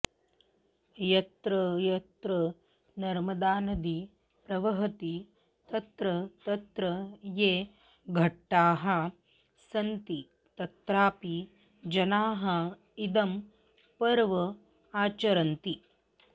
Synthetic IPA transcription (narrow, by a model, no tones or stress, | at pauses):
jɐt̪ɾɐjɐt̪ɾɐ | nɐɾmɐd̪aːnɐd̪i | pɾɐʋɐɦɐt̪i | t̪ɐt̪ɾɐt̪ɐt̪ɾɐjeː | ɡʱɐʈːaːɦɐ | sɐnt̪i | t̪ɐt̪ɾaːpi | d͡ʒɐnaːɦɐ | id̪ɐm | pɐɾʋɐ | aːt͡ʃɐɾɐnt̪i